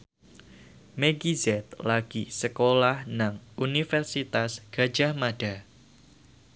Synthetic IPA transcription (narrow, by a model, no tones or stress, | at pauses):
meɡizɛt̪̚laɡ̥isəkolahnaŋunifɛrsit̪asɡ̥a̤̥d͡ʒahmaɖ̥a